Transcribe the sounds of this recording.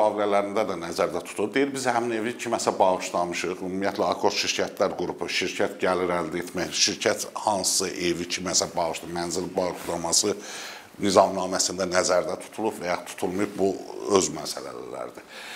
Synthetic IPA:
ɑːvilælæɾind̪æd̪ænæzæɾd̪æt̪ʰu̥t̪ʰub̚d̪ejiɾbizhæmine̞vicʰimæsæbɑɣɯʃlˠɑmɯʃɯχymmːijæt̪ʰlæɑkʰo̞ɾt̪ʃiɾcʰæt̪ʰlæɾɡuɾupʰuʃiɾcʰæt̪ɟæliɾæld̪æet̪ʰmæjʃiɾcʰæt̪hɑnssɯʔevicʰimæsæbɑɣɯʃd̪ɯmænzilbɑɣɯʃlˠɑmɑsɯ | nizɑmnɑːmæsind̪ænæzæɾd̪æt̪ʰu̥t̪ʰulˠubvæjɑχt̪ʰu̥t̪ʰulˠmujubbuøzmæsæ̰læ̰læ̰læ̰ɾd̪i

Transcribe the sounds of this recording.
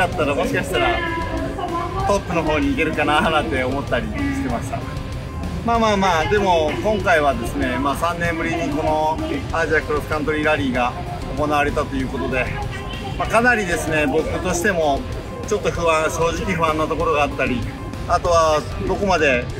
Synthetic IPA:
at̪ːaɾamo̞ɕi̥kaɕi̥t̪aɾa | t̪o̞pːɯ̟no̞ɦo̞ːɲ̟iːke̞ɾɯ̟kananãnt̪e̞omo̞t̪ːaɾʲiɕi̥t̪e̞maɕi̥t̪a̰ | maːmaːmaːd̪e̞mo̞kõ̞ŋkaiβ̞ad̪e̞sɨne̞maːsãnːẽ̞mbɯ̟ɾʲiɲiko̞no̞aʑiakɯ̟ɾosɯ̥kãnt̪o̞ɾʲiɾaɾʲiːɡa | o̞ko̞naβ̞aɾe̞t̪at̪o̞jɯ̟ːko̞t̪o̞d̪e̞ | makanaɾʲid̪e̞sɨne̞bo̞kɯ̟t̪o̞ɕi̥t̪e̞mo̞ | t͡ɕo̞t̪ːo̞ɸɯ̟βãɕo̞ːʑikʲiɸɯ̟βãnːot̪o̞koɾo̞ɡaːt̪ːaɾʲi | at̪o̞β̞a | d̪o̞ko̞mad̪e̞

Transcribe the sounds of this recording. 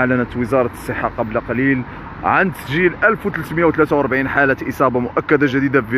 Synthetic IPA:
aʕlænət̪wəzɑɾˤɑsˤːəħːɑqɑblaqɑlil | ʕand̪sʒilʔælfwt̪ələt̪məjawt̪læt̪awɑɾˤbʕinħalæt̪ʔəsˤɑbɑmʊʔækːæd̪aʒəd̪id̪ab

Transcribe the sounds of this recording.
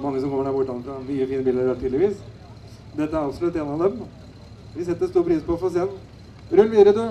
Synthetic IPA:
mɑŋːəsɔmkɔmːəɖæɾbʊʈːɑnːəfɾɑʋɪjiːfiːnəbiːld̪əɾæt̪ʰiːlɪʋiːs | d̪ɛt̪ːəæɾɑʋsɔlʉt̪ːeːnɑlɛm | ʋɪsɛt̪ːəɾst̪uːɾpʰɾiːspɔfɔɾɔsiːɑn | ɾʉlːʋiːɾəd̪ʉ

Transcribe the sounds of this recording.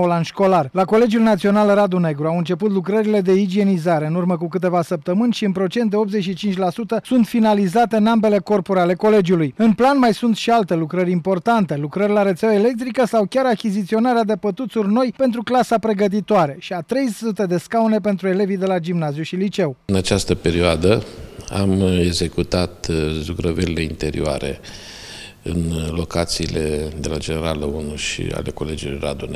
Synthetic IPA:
olanʃko̞larlako̞le̞d͡ʒjulnat̪sio̞nalrad̪une̞ɡɾuawɨnt͡ʃe̞put̪̬lukɾəɾile̞d̪e̞id͡ʒie̞nizaɾe̞ɨnurməkuk̬ɨt̪e̞vasəp̚t̪əmɨnʲʃiɨnpɾo̞t͡ʃe̞nt̪̚d̪e̞o̞pt̪ze̞t͡ʃʃit͡ʃint͡ʃʲlasut̪əsunt̪finalizat̪e̞ɨnambe̞le̞ko̞rpuɾeale̞ko̞le̞d͡ʒjulujɨnplanmajsunt̪ʃialt̪e̞lukɾəɾʲimpo̞rt̪ant̪e̞lukɾərʲlaɾət̪sawaele̞k̚t̪ɾikəsawkʲaɾakʲizit̪sio̞naɾead̪e̞pət̪ut̪surno̞jpe̞nt̪ɾuklasapɾe̞ɡət̪̬it̪oaɾe̞ʃiat̪ɾe̞jsut̪e̞d̪e̞skawne̞p̬e̞nt̪ɾue̞le̞vid̪e̞lad͡ʒimnazjuʃilit͡ʃe̞wɨnat͡ʃast̪əpe̞ɾioad̪əa̰meɡze̞kut̪at̪zukɾəvelile̞int̪e̞ɾḭoa̰ɾe̞̰ | ɨ̰nlo̞kat̪siːle̞d̪e̞lad͡ʒeneɾaləunuʃḭa̰le̞ko̞le̞d͡ʒulojɾa̰d̪one

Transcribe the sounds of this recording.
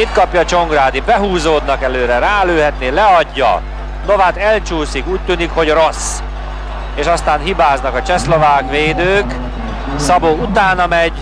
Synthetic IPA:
it̪kɒpjɒːt͡ʃo̞ŋɡraːd̪ibɛɦuːzoːd̪nɒkɛløːɾɛɾaːløːɦɛt̪neːlɛɒɟːɒ̰ | no̞vaːt̪ɛlt͡ʃuːsikuːc̚t̪yːnikho̞ɟro̞s | eːʃɒst̪aːnɦibaːznɒkɒt͡ʃɛslo̞vaːkʋeːd̪øːk | sɒboːut̪aːnɒmɛɟ

